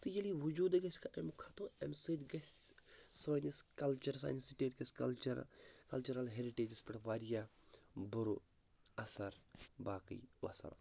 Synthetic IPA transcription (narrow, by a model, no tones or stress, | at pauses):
t̪ɨjɐliʋud͡ʒuːd̪ɡɐsʲkʰaʔemkʰat̪õemsɨd̪ɡɐssaːniskɐlt͡ʃɐɾsa̰ːjnsiʈeːʈɡɐskɐlt͡ʃɐɾkɐlt͡ʃuɾɐlɦeɾiʈeːd͡ʒispɐʈʋaːɾijabuɾu | ɐsɐɾbaːkḭjʋɐ̰sɐ̰ɾa̰